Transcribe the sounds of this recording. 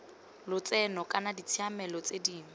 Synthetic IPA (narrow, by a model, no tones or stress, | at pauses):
lʊt͡sʼɛnɔkʼanadit͡sʰiamɛlɔt͡sʼediːŋa